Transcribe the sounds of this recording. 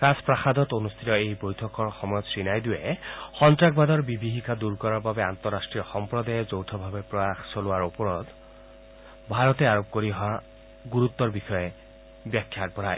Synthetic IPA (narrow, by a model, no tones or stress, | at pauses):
kaspɹaxad̪ɔt̪onust̪ʰit̪ɔejbojtʰɔkɔɹxɔmɔjɔt̪sɹinajd̪ujexɔntɹaɡ̚bad̪ɔɹbibiɦikad̪uɹkɔɹaɹbabɛant̪ɔɹasʈɹiɔxɔmpɹɔd̪ajɔzowtʰɔbʱabepɹɔjaxsolʊaɹopɔɹɔt̪ | bʱaɹɔt̪eaɹop̚koɹiɦɔa | ɡuɹut̪ːɔɹbixɔje | bjakʰːjak̚bɔɾaj